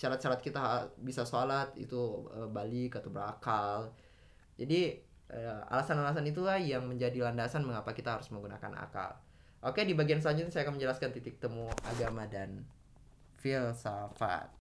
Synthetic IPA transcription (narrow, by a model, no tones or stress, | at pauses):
ʃaɾat̪̚ʃaɾat̪̚kit̪aɦabisasoalat̪ḭt̪uəbalɪkat̪awbəɾakal | d͡ʒadi | ʔəa̰lasanalas̬anit̪̬ulahjaŋməɲd͡ʒadilandasanməŋapakit̪aɦaɾʊ̥sməŋɡuna̰ka̰na̰ka̰l | ʔokedibaɡians̬əlaɲd͡ʒʊt̪sajakanməɲd͡ʒəlaskant̪it̪ɪk̚t̪əmua̰ɡamadan | filsafa̰t̪̚